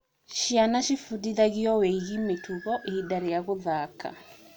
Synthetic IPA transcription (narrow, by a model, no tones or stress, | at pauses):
ʃianaʃifudiðaɣiɔweiɣimetʰuɣɔʔeidaɾejaɣoðaka̰